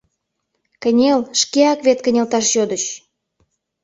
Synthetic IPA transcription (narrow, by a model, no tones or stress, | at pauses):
kənʲelʃkeɑkvet̪̚kə̆nʲelt̪ɑʃjod̪əɕ